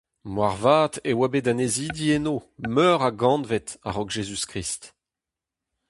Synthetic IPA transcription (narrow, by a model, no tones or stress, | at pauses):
mwaʁvaːt̪ewabedaneziːd̪ienoːmœːʁaɡɑ̃nvɛt̪a̰ʁɔkʒezyskʁist̪